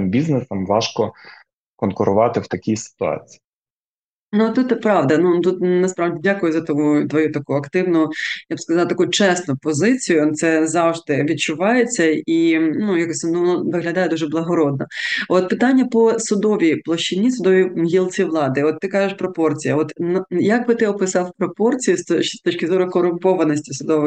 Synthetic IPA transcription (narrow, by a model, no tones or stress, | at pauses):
mbʲiznesɐmʋɑʃkɔ | kɔnkʊɾʊʋɑt̪ɪwt̪ɐkʲisɪ̥t̪ʊɑ̰t͡sʲi̥i | nut̪ut̪ːɛpɾɑʋd̪ɐnut̪ut̪nɐspɾɑʋdʲidʲakʊjʊzɐt̪ɔut̪ʋɔjut̪ɐkuɐkt̪ɪwnʊjʊjabskɐzɑlˠɐt̪ɐkuʊt͡ʃɛsnʊpɔzɪt͡sʲijʊt̪sɛzɑwʐd̪ɪʋʲid̚t͡ʃʊʋɑjet͡sʲːɐinujakɔsʲnunɔʋɪɦlʲɐd̪ɑjɛd̪uʒɛblˠɐɦɔɾɔd̪̚nɔɔt̪̚pɪt̪ɑnʲːɐpɔsʊd̪ɔʋʲijplˠɔʃt͡ʃːɪnʲːisʊd̪ɔʋʲiɦʲilˠt͡sʲiʋlˠɑd̪ɪɔt̪ːɪkɑʒɪʃpɾɔpɔrt͡sʲijɐ̰ɔt̪njɐɡ̚bɪt̪ɪɔpɪsɑfpɾɔpɔrt͡sʲijʊst̪ɔst̪ɔt͡ʃkʲɪzɔɾʊkɔɾʊmpɔʋɐnɔsʲtʲisʊd̪ɔʋɪ